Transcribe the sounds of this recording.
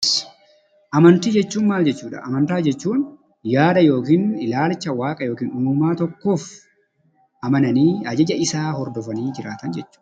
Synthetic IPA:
ʔɐmɐnt̪iːd͡ʒɛt͡ʃːuːnmaːld͡ʒɛt͡ʃːuːᶑɐ̰ʔɐmɐnt̪aːd͡ʒɛt͡ʃːuːn | jaːd̪ɐjo̞ːkiːnɪlaːlt͡ʃːɐwaːkʼɐjo̞ːkiːnʊmʊmaːt̪ɔkːoːf | ʔɐmɐnɐniːɐd͡ʒɐd͡ʒɐɪsaːhɔɾd̪ɔfɐniːd͡ʒɪɾa̰ːt̪ɐnd͡ʒɛt͡ʃːu̥ː

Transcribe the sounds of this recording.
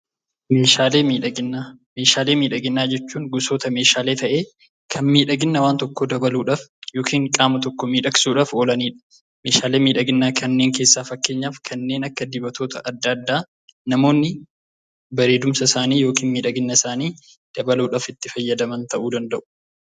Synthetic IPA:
meːʃaːleːmiːᶑɐɡɪame̞ːʃaːleːmiːᶑɐɡɪnːaːd͡ʒɛt͡ʃːuːŋɡʊso̞ːt̪ɐme̞ːʃaːle̞ːt̪ɐʔe̞ː | kʰɐnmiːᶑɐɡɪnːɐwaːnt̪ɔkːoːd̪ɐbɐluːᶑaːfjo̞ːkʰiːŋkʼaːmɐt̪ɔkːɔmiːᶑɐksuːᶑaːfoːlɐniːᶑɐ̥ | meːʃaːle̞ːmiːᶑɐɡɪnːaːkʰɐnːe̞ːŋke̞ːsːaːfɐkːe̞ːɲːaːfkʰɐnːe̞ːnɐkːɐd̪ɪbɐt̪ʰo̞ːt̪ʰɐʔɐd̪ːɐːd̪ːaː | nɐmo̞ːnːɪ | bɐɾeːd̪ʊmsɐsaːniːjo̞ːkiːnmiːᶑɐɡɪnːɐɪsaːniː | d̪̥ɐbɐluːᶑaːfɪt̪ːɪfɐjːɐd̪ɐmɐnt̪ɐʔuːd̪ɐnd̪ɐʔʊ̥

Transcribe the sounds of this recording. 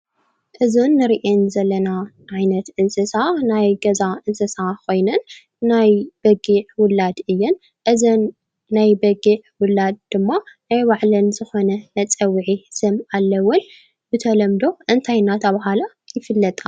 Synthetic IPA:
ʔɨzunːɨɾiʔenzɐlːɐna | ʔʕajnɐt̪ʔɨnsɐsanajɡɐzaʔɨnsɐsakʰo̞jnɐnː | ajb̥ɐɡiʕwʊlːad̪ɨjːɛn | ʔɨzɐnː | ajbɐɡiʕwʊlːad̪̚d̪̥ɨmːanajwaʕlɐnzɨxo̞nɐnɐt͡sʼɐwːʕisɨmalːɐwːʊn | bɨt̪ʰɐlɐmd̪o̞ʔɨnt̪ʰajnat̪ʰɐβaɦala | jɪfɨlːɐt̪ʼa

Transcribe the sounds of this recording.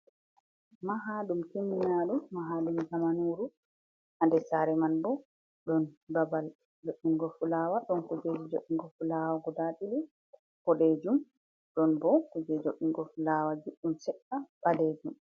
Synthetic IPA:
maɦaːɗumkiminaɗuːaɦaɗumd͡ʒamanuɾu | ʔandɛsaɾɛmanbɔ | ɗɔnbabal | d͡ʒoʔːiŋɡɔfulaːwaɗɔnkud͡ʒed͡ʒid͡ʒoʔːiŋɡɔfulawaɡɔdatili | kɔɗed͡ʒum | ɗɔnbɔkud͡ʒɛd͡ʒoʔːiŋɡɔfulawad͡ʒuɗːumsɛɗːaɓaded͡ʒum

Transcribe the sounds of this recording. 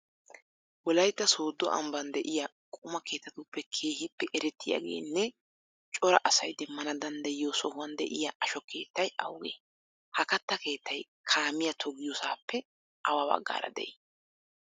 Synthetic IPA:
wɔlɐjt̪ːɐso̞ːd̪ːɔʔɐ̰mbɐnd̪ɛʔɪjɐ | kʼʊmɐke̞ːt̪ːɐt̪upːɛkʰe̞ːhɪpːɛʔɛɾɛt̪ːɪja̰ɡḛːnːɛ | t͡ʃʼɔɾɐʔɐsɐjd̪ɛmːɐnɐd̪ɐnd̪ɐjɪjoːsɔhʊwɐnd̪ɛʔɪjɐʔɐʃɔke̞ːt̪ːɐjɐ̰wɡḛː | hɐkɐt̪ːɐke̞ːt̪ːɐj | kʰaːmɪjɐt̪ʰɔɡɪjɔsaːpːɛ | ʔɐwɐbɐ̰ɡːa̰ːɾɐ̰d̪ɛ̰ʔi

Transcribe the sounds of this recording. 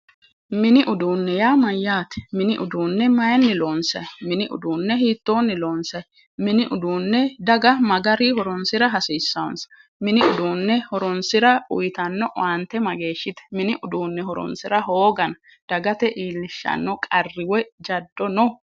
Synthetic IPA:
mɪnɪʔʊd̪uːnːɛjaːmɐjːaːt̪ɛ̥mɪnɪʔʊd̪uːnːɛmɐjɐnːɪloːnsɐ̰jmɪnɪʔʊ̰d̪uːnːɛɦiːt̪ːo̞ːnːɪloːnsɐj | mɪnɪʔʊd̪uːnːɛd̪ɐɡɐmɐɡɐɾiɦɔɾɔnsɪɾɐɦɐsiːsːɐɔnsɐ̥ | mɪnɪʊd̪uːnːɛhɔɾɔnsɪɾɐʊ̰jt̪ɐnːɔʔant̪ːɛmɐɡe̞ːʃːɪt̪ɛ̥mɪnɪʔʊd̪uːnːɛɦɔɾɔ̰nsɪɾɐɦoːɡɐnɐ | d̪̥ɐɡɐt̪ɛʔiːlːɪʃːɐ̰nːɔkʼɐrːɪwɛd͡ʒɐd̪ːɔnɔ

